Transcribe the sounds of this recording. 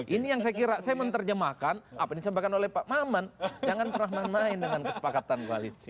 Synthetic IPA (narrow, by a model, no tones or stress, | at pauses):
ʔinijaŋs̬ajakiɾasajamənt̪ərd͡ʒəmakanapainisəmbakanolɛhpaʔmamand͡ʒaŋant̪əɾaɦmanmaɪndəŋankəspakat̪ankua̰lit̪i